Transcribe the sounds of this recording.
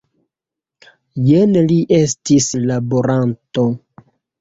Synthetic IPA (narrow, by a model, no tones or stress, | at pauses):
jenliʔe̞stislaboɾanto̞